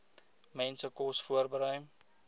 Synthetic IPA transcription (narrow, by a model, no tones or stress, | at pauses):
mɛnsəkɔsfuərbəɾœjm